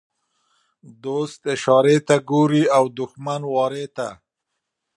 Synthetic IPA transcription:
d̪ost̪ɪʃɑɾet̪aɡoɾiawd̪ʊxmanwɑɾet̪a̰

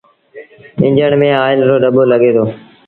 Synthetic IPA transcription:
ɪ̰̃ɲd͡ʒəɳmẽːaːɪlɾoːɖəboːləɠeːt̪ʰoː

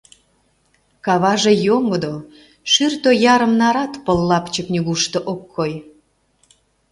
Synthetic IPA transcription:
kɑβɑʒejoŋod̪o | ʃyrt̪ojɑɾəmnɑɾɑt̪pəlːɑpt͡ɕəknʲyɣuʃt̪oʔokːoj

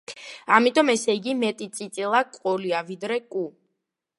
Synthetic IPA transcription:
amit̪ʼɔmɛsɛiɡimɛt̪ʼit̪sʼit̪sʼilˠakʼɔliavid̪ɾɛkʼu

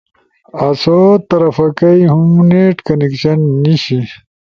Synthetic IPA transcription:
ɐsot̪ɐɾɐfɐkɐjɦumneʈkɐnekɕɐnːiɕi

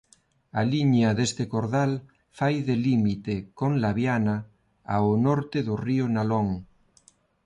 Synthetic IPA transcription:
aliɲaðest̪ekoɾðal | fajðelimit̪ekonlaβjana | aonoɾt̪eðorionaloŋ

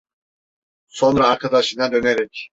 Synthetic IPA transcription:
so̞nɾaːɾkʰad̪aʃɯnad̪ø̞neɾɛc

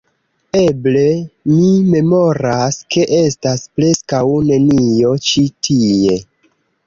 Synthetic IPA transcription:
e̞ble̞mime̞mo̞ɾaske̞ʔestaspɾe̞skawne̞nijo̞t͡ʃitʰie̞

